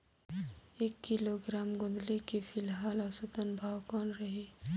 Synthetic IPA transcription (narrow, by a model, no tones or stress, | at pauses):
eːkːɪloɡɾaːmɡʊd̪lekifɪlɦaːlasət̪ənbʱaːwkɔːnɾɐɦiː